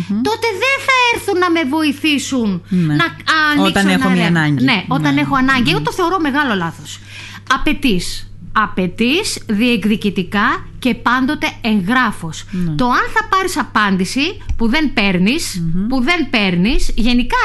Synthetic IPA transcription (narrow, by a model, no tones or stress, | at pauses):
t̪o̞t̪e̞ðe̞nθɐeɾθunːɐme̞vo̞iθisunnɐɐnot̪ɐneonɐɲɟne̞o̞t̪ɐne̞xo̞ɐnɐɲɟieɣot̪o̞θe̞o̞ɾo̞me̞ɣɐlo̞lɐθos | ɐpe̞t̪is | ɐpe̞t̪isðiekðicit̪ikɐce̞pɐnd̪o̞t̪e̞eŋɣɾɐfo̞st̪o̞ɐnθɐpɐɾisɐpɐnd̪isipuðe̞npe̞ɾnispuðe̞npe̞ɾnisʝe̞nikɐ